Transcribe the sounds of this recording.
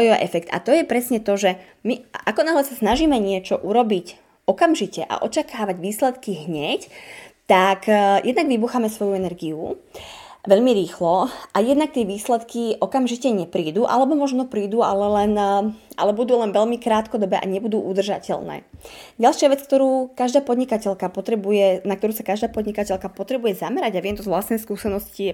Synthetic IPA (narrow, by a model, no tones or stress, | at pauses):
jɔʔɛfɛkt̪a̰t̪ɔjɛpɾɛsɲɛt̪ɔʒɛ | miʔakɔnaɦlɛsasnaʒiːmɛɲɪɛt͡ʃɔʔuɾɔbic | ɔkamʒicɛʔa̰ʔɔ̰t͡ʃakaːʋaɟʋiːslɛt̪kiɦɲɛct̪akjɛd̪naɡʋibuxamɛsʋɔjuɛnɛɾɡiu | ʋɛʎmiɾiːxlɔajɛd̪nak̚t̪ɪɛʋiːslɛt̪kiʔɔkamʒicɛɲɛpɾiːd̪uːʔa̰lɛbɔmɔʒnɔpɾiːd̪ualɛlɛna̰lɛbud̪uːlɛnʋɛʎmikɾaːt̪kɔd̪ɔbɛʔa̰ɲɛbud̪uːʔud̪r̩ʒa̰cɛ̰ʎnɛ̰ːɟalʃɪaʋɛt͡sk̚t̪ɔɾuːkaʒd̪aːpɔd̪ɲikacɛʎkapɔt̪ɾɛbujɛnak̚t̪ɔɾuːsakaʒd̪aːpɔd̪ɲikacɛlkapɔt̪ɾɛbujɛzamɛɾaɟaʋɪɛmt̪ɔzʋlast̪nɛjskuːsɛnɔsci